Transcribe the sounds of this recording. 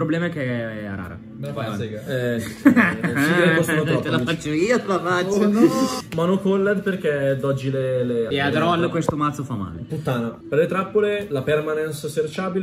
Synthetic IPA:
pɾoblɛːmaɛkeɛa̰ɾa̰ːɾa̰ | kɛ | iɾeostuumat̪at̪elafat͡ʃːoiːafafaomanokolːed̪perk̟ed̪ɔd͡ʒːileleead̪ɾɔlːkwest̪omat̪sːofamːa̰ːleput̪ːaːnaperlet̪ɾapːolelapermanɛnssert͡ʃaːbil

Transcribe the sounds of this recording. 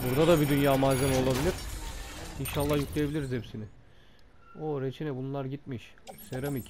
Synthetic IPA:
buɾd̪ad̪abid̪ynjaːmaːzemo̞lˠabilʲiɾ̥ | inʃalˠːahjuklˠejebilʲiɾizepsinɪ | oɾet͡ʃʰinɛbunlˠaɾɟit̪̚miʃ | seɾemic

